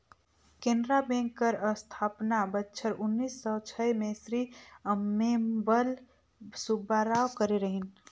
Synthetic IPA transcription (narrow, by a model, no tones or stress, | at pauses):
kẽnɾabẽŋkːəɾəst̪ʰapnabətːʃʰəɾʊnːisːɔt͡ʃʰəmẽsɾiəmembəl | subaɾawkəɾeɾəɦin